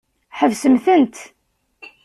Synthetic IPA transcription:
ħəvsəmθənt̪

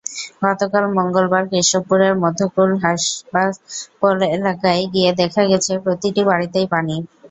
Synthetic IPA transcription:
ɡɔt̪okalmɔŋɡolbaɾkɾiʃopːuɾeɾmɔd̪ʱokulɦabaɾpolelakajɡied̪ɛkʰaɡɛt͡ɕʰepɾot̪iʈibaɽit̪ejpani

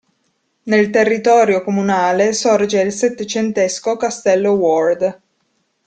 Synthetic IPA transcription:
nelt̪erːit̪ɔːɾjokomunaːlesɔrd͡ʒeilset̪ːet͡ʃent̪eskokast̪ɛlːowɔrd̪

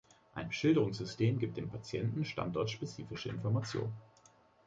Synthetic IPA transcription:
ʔaɪnʃɪldəʁʊŋsz̥ʏstʰeːmɡiːp̚td̥eːmpʰat͡sjɛ̰ntn̩ʃta̰ntɔɐtʃpet͡siːfɪʃəɪ̰nfɔɐmat͡sjo̰ːn

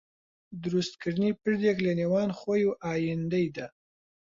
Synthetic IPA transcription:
d̪ɾust̪̚kəɾnipəɾd̪eklenewɑnxojoʔɑjɪnd̪əjd̪a

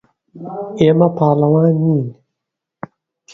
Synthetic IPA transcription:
emapaːlawãni

